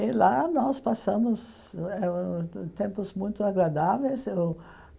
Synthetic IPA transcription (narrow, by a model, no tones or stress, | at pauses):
ɪlanɔspasɐ̃mʊsɛt̪ẽmpʊzmũj̃t̪ʊaɡɾad̪avejsew